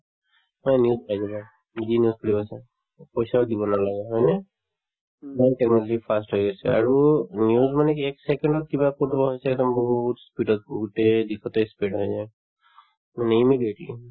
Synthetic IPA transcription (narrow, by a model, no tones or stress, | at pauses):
maɛnijuzpajsɛba | zinijuzkʰɔɽibasɛ | pɔjsaɔd̪ibɔnalaɡɛɦɔjnɛ | majʈeknɔlɔd͡ʑipʰasʈɦɔjɡɔsɛa̰ɹunjuzmanekeksekeɳɖɔkibakɔtbɔɦɔjsɛɛd̪ɔmbɔɦuut̪spiʈɔt̪̚ɡuʈed̪ikʰɔt̪ɔjspiɖɦɔjzaj | maneimidieʈli